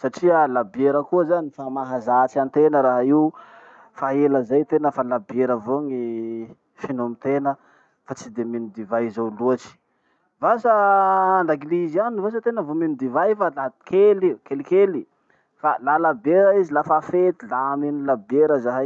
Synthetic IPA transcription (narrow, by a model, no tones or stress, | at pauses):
saʈ͡ʂiəlabeɾəkuəzanifamaɦazat͡ʃiant̪enəɾaɦaiw | faeləzajt̪enəfalabeɾəvoŋi | finomit̪enə | fat͡sid̪eminid̪ivajizawluat͡ʃi̥ | vasaaɳdaɡilizianiivas̬ət̪enəvominid̪ivajfalakʰelikelikeli | falalabeɾəizilafafet̪ilamenilabeɾəzaɦa